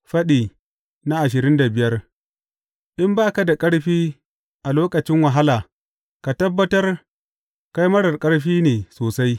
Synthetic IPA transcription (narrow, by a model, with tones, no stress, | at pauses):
ɸɐ˦ɗiː˨ | na˦ʔa˨ʃ̬ɪ˨ɾɪ˦nda˨bɪ˨jɐ˦r | ʔɪ˦mbaː˦ka˨da˨kʼɐ˦ɽɸiː˦ | ʔa˨loː˦kɐ˨t͡ʃɪ˦ŋwɐ˨ɦa˦laː˨ | ka˨tɐ˦bːɐ˦tɐ˦r | ka˦jmɐ˦ɽɐ˨rkʼɐ˦ɽɸiː˦neː˨soː˨sa˦j